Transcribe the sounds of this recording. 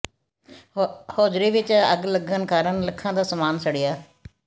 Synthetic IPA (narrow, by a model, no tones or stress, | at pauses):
hoːd͡ʒɾiːʋɪt͡ʃə̰ɡləɡənkaːɾəɳləkʰːãːd̪aːsəmaːnsəɽijaː